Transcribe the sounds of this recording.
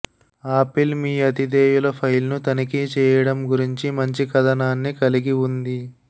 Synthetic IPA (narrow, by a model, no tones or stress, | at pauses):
aːpilmiːɐt̪id̪eːjulɐpʰɐjlnut̪ɐnikit͡ʃɛːjɐɽɐmɡuɾiɲt͡ʃimɐɲt͡ʃikɐd̪ɐnaːnːikɐliɡiund̪i